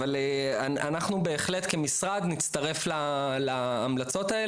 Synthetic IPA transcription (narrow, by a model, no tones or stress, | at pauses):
alaanaχnube̞ːχle̞t̪kemisʁad̪nit͡st̪ɐʁe̞flalaːmlat͡so̞t̪ae